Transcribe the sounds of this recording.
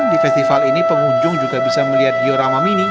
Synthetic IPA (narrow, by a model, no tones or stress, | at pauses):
ndifɛst̪ifalinipəmuɲd͡ʒʊŋd͡ʒuɡabisaməliɦat̪̚ɡioɾamamini